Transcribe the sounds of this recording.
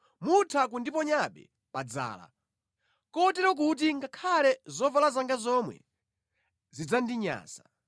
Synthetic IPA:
mutʰak̬undipɔɲaɓɛ̰ | pad͡za̰ːla̰ | kɔtɛɾɔk̬ut̬iŋɡakʰalɛzɔvalazaŋɡazɔmwɛ̰ | zid͡zandiɲa̰ːsa

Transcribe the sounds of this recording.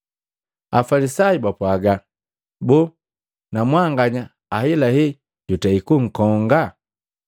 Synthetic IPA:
a̰falisaibapwaɡa | bu | namwaŋɡaɲa | ahɛlahɛ | ɟutaikuŋ̩kɔŋɡa

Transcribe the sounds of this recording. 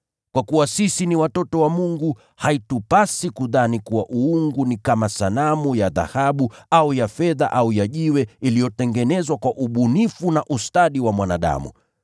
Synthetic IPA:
kwakuwasisiniwatɔtɔwamuŋɡu | haitupasikuðanikuwaʔuuŋɡunikamasalamujaða̰haɓuaujafɛða̰ʔaujaʄiwɛilijɔtɛŋɡɛnɛzwakwaʔuɓunifunaʔustaɗiwamwanaɗa̰mṵ

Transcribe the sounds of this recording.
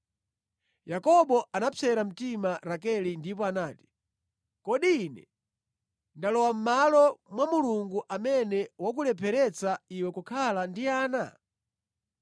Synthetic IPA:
jakɔɓɔʔanapʰɛɾam̩timaɾak̬ɛlindipɔanaːti̥ | kɔɗiːnɛ̰ | ndalɔwam̩malɔmwamuluŋɡuʔamɛnɛwak̬ulɛpʰɛɾɛt͡saiwɛkukʰalandiaːna̰

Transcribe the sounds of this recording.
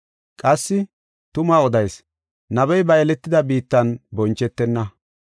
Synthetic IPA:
kʼɐsːɪ | t̪ʊmaːɔd̪ɐjs | nɐbɛjbɐjɛlɛt̪ːɪd̪ɐbiːt̪ːɐnbɔnt͡ʃːɛt̪ːɛnːɐ

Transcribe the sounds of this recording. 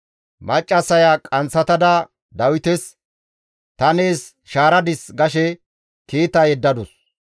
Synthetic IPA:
mɐt͡ʃʼːɐsɐjakʼɐnsɐt̪ɐd̪ɐ | d̪ɐwɪt̪ɛs | t̪ɐneːs | ʃaːɾɐd̪ɪsɡɐʃɛ | kiːt̪ːɐjɛd̪ːɐd̪ɔs

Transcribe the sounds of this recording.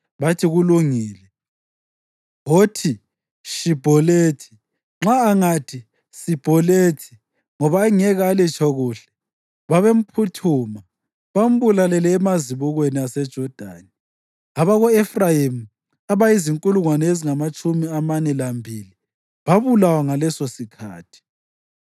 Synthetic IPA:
βatʰiɣuluŋiːlɛ | ɦotʰi | ʃib̥ʱɔleːtʰi̥ | ŋ͡ǁaːŋatʰi | sib̥ʱɔletʰi̥ | ŋɔβaːŋɛɣaːlit͡ʃʰʼɔɣuːɬɛ̥ | βaβem̩pʰutʰuːma | βam̩βulalɛlɛːmaziβuɣweniasɛd̥ʒ̥ʱɔd̥ʱa̰ni | aβaɣɔefrajimu | aβaiziŋkʼuluŋwanɛeziŋamat͡ʃʼumiamanɛlambʱili | βaβulawaŋalɛsɔsikʰa̰ːtʰi̥

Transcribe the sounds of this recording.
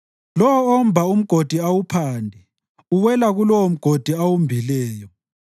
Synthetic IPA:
lɔwɔːm̩bʱaum̩ɡ̥ʱod̥ʱiawupʰandʱɛ | uwɛlaɣulɔwom̩ɡ̥ʱod̥ʱiawumbʱilɛːjɔ

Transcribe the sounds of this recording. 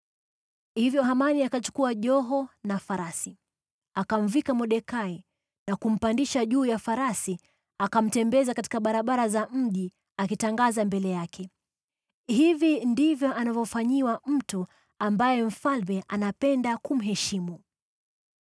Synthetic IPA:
hivjɔɦamaniakat͡ʃu̥kuaʄɔɦɔnafaɾasi | akam̩vikamɔɗɛkai | nakum̩pandiʃaʄuːjafaɾasi | akam̩tɛmbɛzakati̥kaɓaɾaɓaɾazam̩ʄi | akitaŋɡazambɛlɛjakʰɛ | hivindivjɔʔanavɔfaɲiwam̩tu | ambajɛm̩falmɛʔanapɛndakum̩ɦɛʃimu

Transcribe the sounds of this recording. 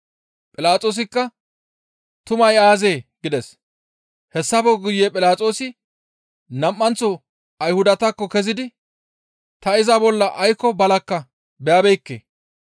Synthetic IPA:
pʼɪlaːt͡sʼo̞ːs̬ɪkːɐ | t̪ʊmɐjaːze̞ːɡ̥ɪd̪ɛs | hɛsːɐbɔɡʊjːepʼɪlaːt͡sʼo̞ːsɪ | nɐmːɐnt͡sɔ | ɐjhʊd̪ɐt̪ɐkːɔkɛzɪd̪ɪ | t̪ɐɪzɐbɔlːɐʔɐjkːɔbɐlɐkːɐ | bɛjɐbɛjkːḛː

